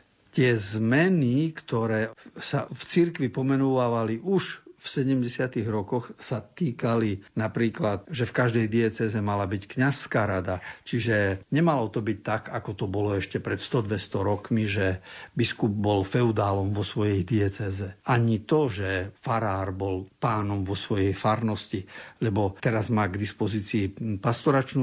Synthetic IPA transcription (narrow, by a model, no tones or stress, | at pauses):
t̪ɪɛzmɛnikt̪ɔɾɛːsaft͡siɾkʋipɔmɛnuʋaːʋaliʔuʃfsɛɟɛmɟɛsɪat̪iɣɾɔkɔxsat̪iːkalinapɾiːklat̪̚ʒɛfkaʒd̪ɛjd̪iɛt͡sɛːzɛmalabickɲasːkaɾad̪at͡ʃiʒɛɲɛmalɔt̪ɔbic̚t̪aɡakɔt̪ɔbɔlɔɛʃcɛpɾɛt̪st̪ɔd̪ʋɛst̪ɔɾɔkmiʒɛbiskub̚bɔlfɛud̪aːlɔmʋɔsʋɔjɛjd̪iɛt͡sɛːzɛaɲit̪ɔʒɛfaɾaːɾbɔlpaːnɔmʋɔsʋɔjɛjfaɾnɔscilɛbɔt̪ɛɾazmaːɡd̪ispɔziːt͡siːpast̪ɔɾat͡ʃnu